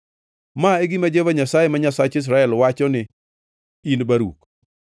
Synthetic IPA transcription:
maeɡimad͡ʒevaɲasajemaɲasat͡ʃɪs̬ɾaɛlwat͡ʃɔnɪ | inbaɾṵk

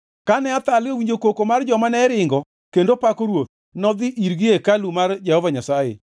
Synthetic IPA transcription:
kanɛat̪alɪowiɲd͡ʒokokomard͡ʒɔmanɛɾɪŋɡɔ | kendopakoɾwot̪̚ | nɔd̪ɪʔiɾɡɪekalumard͡ʒɛhɔvaɲasajḛ

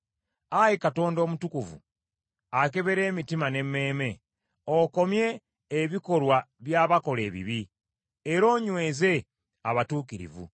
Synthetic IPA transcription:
ajikato̞ːndo̞ːmutukuvṵ | ake̞βe̞ɾe̞ːmitimane̞mːe̞ːme̞ | oko̞mje̞ː | βiko̞lwa | βjaːβako̞le̞ːβḭβi | eɾo̞ːɲwe̞ːze̞ | aβatuːkiɾḭvṵ

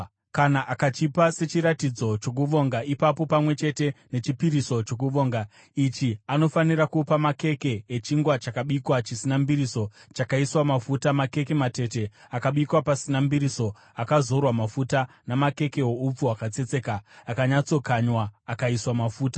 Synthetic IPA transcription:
kanaʔakat͡ʃipase̞t͡ʃiɾatid͡zo̞t͡ʃo̞k̬uʋo̞ŋɡaipapo̞pamwe̞t͡ʃe̞te̞ne̞t͡ʃipiɾiso̞t͡ʃo̞k̬uʋo̞ːŋɡa | it͡ʃiano̞fanirakupamake̞ke̞ːt͡ʃiŋɡwat͡ʃakaɓikwat͡ʃisinambiɾiso̞t͡ʃakaiswamafutamake̞ke̞mate̞te̞ | akaɓikwapasinambiɾiso̞ | akazo̞rwamafuta | namake̞ke̞ɦoup͡fuakat͡se̞t͡se̞kaːkaɲat͡so̞kaɲwaːkaiswamafuːta

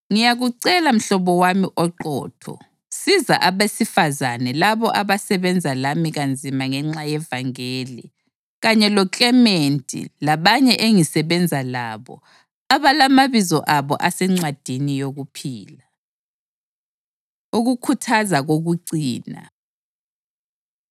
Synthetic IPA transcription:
ŋijaɣuǀɛlam̩ɬɔβɔwamiʔɔǃɔ̰ːtʰɔ̰ | sizaʔaβesifazanɛlaβɔʔaβasɛβɛnd͡zʱalamiɣand͡zʱimaŋɛŋ͡ǁajɛvaŋeːlḭ | ɣaɲɛlɔkʼɛmentʼḭlaβaɲɛʔeŋisɛβɛnd͡zʱalaβɔ̰ | aβalamaβizɔʔaβɔʔasɛŋ͡ǀwad̥ʱinijoɣupʰiːla | uɣukʰutʰazaɣoɣuǀiːna̰

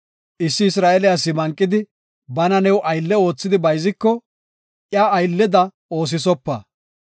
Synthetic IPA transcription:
ʔɪsːɪɪsɾaːɛlɪjas̬ɪmɐŋkʼːɪd̪ɪ | bɐnɐnɛwʔɐjlːɛo̞ːt͡sːɪd̪ɪbɐjzɪkːɔ | ʔjaːɐjlːɛd̪ɐ | o̞ːs̬ɪsɔpːɐ̰

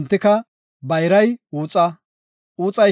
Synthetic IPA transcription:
nt̪ːɪkɐ | bɐjɾɐjuːt͡sʼɐ | uːt͡sʼɐ

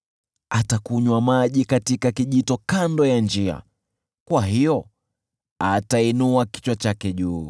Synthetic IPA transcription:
atakuɲwamaʄikatikakiʄitɔkandɔjand͡ʒia̰ | kwaɦijɔ | atainuaki̥t͡ʃwat͡ʃakɛʄuː

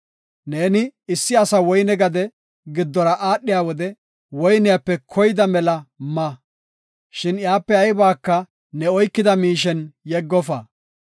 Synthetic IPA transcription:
neːnɪɪsːɪɐsɐwɔjnɛɡɐd̪ɛ | ɡɪd̪ːɔɾɐʔaːɗːɪjaːwɔd̪ɛ | wɔjnɪjapːɛkʰɔjɪd̪ɐmɛlɐmɐ | ʃɪnjaːpːɛɐjbaːkːɐ | nɛɔjkːɪd̪ɐmiːʃ̬ɛnjɛɡːɔfɐ

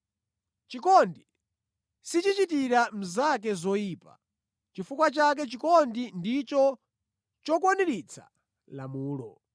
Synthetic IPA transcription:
t͡ʃikɔndi | sit͡ʃit͡ʃitiɾam̩zak̬ɛzɔjiːpa̰ | t͡ʃifukwat͡ʃak̬ɛt͡ʃikɔndindit͡ʃɔ | t͡ʃɔkwɔniɾit͡sʰa̰ | lamuːlɔ

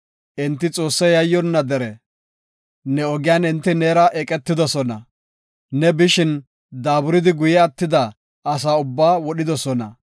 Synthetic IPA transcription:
ʔɪnt̪ːɪt͡sʼo̞ːsːɐjɐjːɔnːɐd̪ɛɾɛ | nɛɔɡɪjaːnɪnt̪ːɪneːɾɐʔɛkʼɛt̪ːɪd̪ɔsɔnɐ | nɛbɪʃɪn | d̪aːbʊɾɪd̪ɪɡʊjɛɐt̪ːɪd̪ɐ | ɐs̬aːʊbːaːwɔɗɪd̪ɔsɔnɐ̰

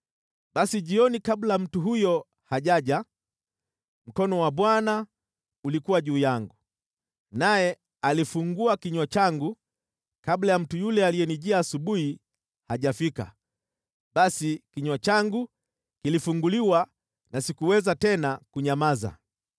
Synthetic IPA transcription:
ɓasiʄiɔnikablam̩tuɦujɔ | haʄaʄa | m̩kɔnɔwaɓwana | ulikuwaʄuːjaŋɡu | najɛ | alifuŋɡuakiɲwat͡ʃaŋɡu | kablajam̩tujulɛalijɛniʄiaːsuɓuhi | haʄafika̰ | ɓasikiɲwat͡ʃaŋɡu | kilifuŋɡuliwa | nasikuwɛzatɛnakuɲamaza̰

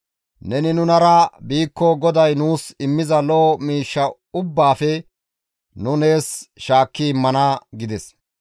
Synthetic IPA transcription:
nɛnɪnʊnɐɾɐbiːkːɔɡɔd̪ɐjnuːsɪmːɪzɐlɔmiːʃːɐ | ʊbːaːfɛ | nʊne̞ːsʃaːkːɪɪmːɐnaːɡɪd̪ɛs

